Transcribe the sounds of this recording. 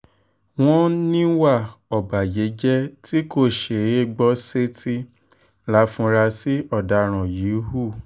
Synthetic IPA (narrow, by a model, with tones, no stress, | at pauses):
w̃ɔ̃˦nĩ˦wa˦˨ɔ˨ba˨je˨˦d͡ʒɛ˦ti˦ko˦˨ʃe˨e˦˨ɡ͡bɔ˦se˦ti˦ | la˨˦fũ˧ɾa˧si˦ɔ˦˨da˨˧ɾ̃ã˨ji˨˦ɦu˦˨